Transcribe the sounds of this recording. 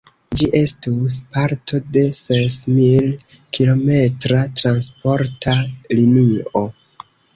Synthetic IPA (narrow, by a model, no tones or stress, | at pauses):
d͡ʒiʔe̞stuspaɾtʰo̞de̞sesmil | kilo̞me̞tɾatɾanspo̞ɾtʰalinio̞